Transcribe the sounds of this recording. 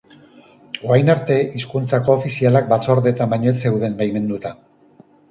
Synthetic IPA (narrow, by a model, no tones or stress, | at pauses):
oajnaɾt̪e̞iskunt͡sako̞ːfisialak̚bat͡so̞ɾðe̞t̪abajɲo̞et͡se̞wðe̞ŋɡajme̞nd̪ut̪a